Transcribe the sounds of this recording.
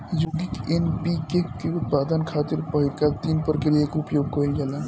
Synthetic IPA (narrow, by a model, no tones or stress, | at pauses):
joɡikenbiɡekkeut̪̚pad̪ənkʰat̪iɾpəɦilkat̪inpəɾkeɾiekupjoɡkɔɦilɡelan